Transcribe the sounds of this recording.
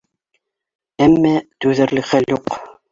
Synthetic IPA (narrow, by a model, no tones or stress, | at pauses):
æmːæt̪ʉðæ̆ɾlɘ̆χæljuq